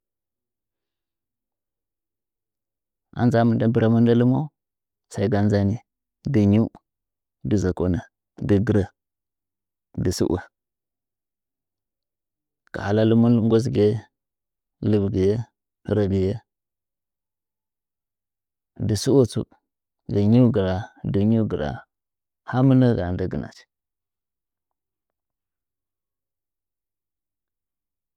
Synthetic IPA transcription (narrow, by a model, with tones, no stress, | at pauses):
a̰˨nza˦mə˨nda˦bə˨ɾa˨mu˦nda˦lu˦mo˦ | sa˨i˦ɡa˦nza˦ni˨ | di˨ɲu˦ | di˨za˨ko˦na˨ | də˨ɡə˨˦ɾa˨ | di˨sṵ˦ʔa̰˨ | ka̰˨ha˨la˦lu˦mu˦ŋɡo˦s̬ɡe˦ | lə˨bɡə˨je˦˨ | ɾə˨ɡi˨je˦ | də˨su˦wə˦t͡sṵ˦ | ɡə˨ɲu˦ɡə˨ɾa˨də˨ɲu˦ɡə˨ɾa̰˨ | ha˦mə˦nə˦ɡa˨ndə˨ɡə˨na̰˨t͡ʃ